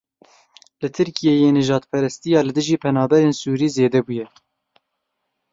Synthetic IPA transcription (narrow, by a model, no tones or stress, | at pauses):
lɨt̪ʰɨɾkijejeːnɨʒɑːd̪pʰɛɾɛst̪ijɑːlɨd̪ɨʒiːpʰɛnɑːbɛɾeːnsuːɾiːzeːd̪ɛbujɛ